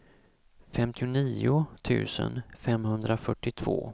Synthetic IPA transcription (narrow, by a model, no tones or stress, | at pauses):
fɛmt̪ʰɪʊniːʊt̪ʰʉ̟̰ːsə̰nfɛmhɵnd̪ɾafœʈːɪt̪ʰv̥o̰ː